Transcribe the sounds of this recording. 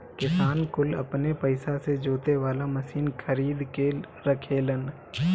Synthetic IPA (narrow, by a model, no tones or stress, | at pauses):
kɪsaːnkʊlɐ̰pnepəɪsased͡ʒoːt̪eʋaːlamɐsiːnkʰɐɾiːd̪keɾɐkʰeːlən